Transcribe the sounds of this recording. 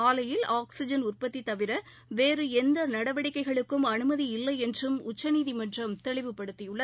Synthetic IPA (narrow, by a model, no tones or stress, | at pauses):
aːlɐjɪlaːksɪd͡ʒɐnʊrpɐt̪ːit̪ɐʋɪɾɐ | ʋeːrɯɛnd̪ɐnɐɽɐʋɐɽɪkːɐɪɣɐɭɯkːɯmɐnɯmɐðiɪlːɐɪɛndrɯmʊt͡ʃːɐniːðimɐnrɐmt̪ɛɭɪʋɯpːɐɽɯt̪ːijɯɭːɐ